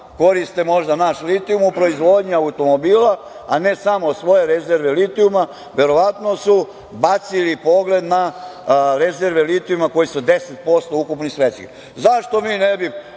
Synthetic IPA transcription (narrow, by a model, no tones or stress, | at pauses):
ko̞ɾist̪emo̞ʒd̪anaʃlit̪iumupɾo̞izʋo̞d̪ɲiaut̪o̞mobiːla | anesamosʋo̞je̞ɾezeɾʋelit̪iuma | ʋe̞ɾo̞ʋat̪no̞su | bat̪silipo̞ɡle̞d̪na | ɾezeɾʋelit̪iumako̞jisud̪e̞set̪̚po̞st̪o̞ukupnisɾet͡ʃkḭ | zaʃt̪o̞miːnebi